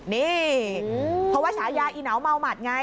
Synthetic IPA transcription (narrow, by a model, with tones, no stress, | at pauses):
niː˧˩˨ | pʰɔ˦waː˥˩sʰaː˨˦jaː˧ʔiː˧˩na˩˦wma˧wmaː˨˩t̪̚ŋa˧